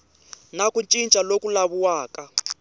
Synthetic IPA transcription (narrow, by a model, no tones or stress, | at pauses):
nakunt͡ʃʼint͡ʃʼalokulaβuwaːkʼa